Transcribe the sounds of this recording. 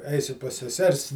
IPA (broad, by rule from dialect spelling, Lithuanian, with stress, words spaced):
ˈɛɪsʲʊ pɐs sʲɛˈsʲɛrs